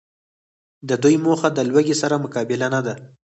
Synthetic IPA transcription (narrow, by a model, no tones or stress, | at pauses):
d̪əd̪ujmoxad̪əlwəɡesaɾamʊkɑbɪlanad̪a